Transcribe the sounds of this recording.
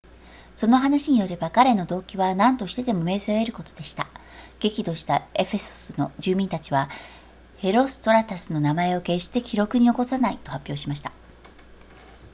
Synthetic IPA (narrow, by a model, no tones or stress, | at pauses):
so̞no̞ɦanaɕiɲ̟ijo̞ɾe̞bakaɾe̞no̞d̪o̞ːkʲiβanãnt̪o̞ɕi̥t̪e̞t̪e̞mo̞me̞ːzɨoe̞ɾɯ̟ko̞t̪o̞d̪̥eɕi̥t̪aɡ̥e̞kʲid̪o̞ɕi̥t̪ae̞ɸe̞so̥sɨno̞ʑɨːmʲĩnt̪at͡ɕiβa | he̞ɾo̞sɨ̥t̪o̞ɾat̪asɨno̞namae̞o̞ke̞ɕi̥t̪e̞kʲiɾo̞kɯ̟ɲ̟io̞ko̞sanait̪o̞hapʲːjo̞ːɕimaɕi̥t̪ḁ